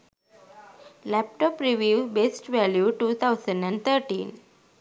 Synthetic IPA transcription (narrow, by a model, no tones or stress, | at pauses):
læp̚ʈɔːpɾiʋiːʋbesʈʋæljuʈuːt̪ʰaʊsə̃ɳɖɛ̃ɳɖt̪ʰəɾʈḭːn